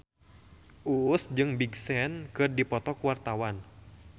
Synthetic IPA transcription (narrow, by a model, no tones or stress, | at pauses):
ʔusd͡ʒɨŋbiɡsɛnkɨrdipɔt̪ɔkuwart̪awan